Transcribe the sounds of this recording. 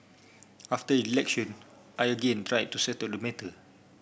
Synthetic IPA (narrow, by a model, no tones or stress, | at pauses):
aftəilɛkʃɔ̃n | ʔajəɡẽntɹajd̚tusɛtadəmɛtə